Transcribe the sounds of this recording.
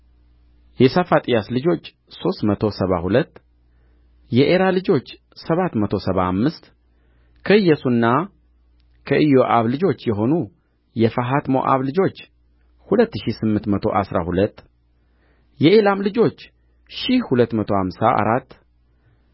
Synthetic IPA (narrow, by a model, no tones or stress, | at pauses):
jɛsafat̪ʼijaslɨd͡ʒo̞t͡ʃː | so̞st̪mət̪ʰo̞səβa̰hulət̪ː | jɛʔeɾalɨd͡ʒo̞t͡ʃː | səβat̪ːmət̪ʰo̞səβamːɨst̪ | kʰəɨjːɛsunːa | kʰəʔɨjoʔaβlɨd͡ʒo̞t͡ʃːjɛɦo̞nu | jɛfəɦat̪mo̞̰ʔa̰βlɨd͡ʒo̞t͡ʃː | hulət̪ːɨʃisɨmːɨnt̪mət̪ʰo̞̰ʔa̰sɾa̰hulət̪ː | jɛʔelamlɨd͡ʒo̞t͡ʃː | ʃihhulət̪ːmət̪ʰo̞hamsaʔa̰ɾat̪ː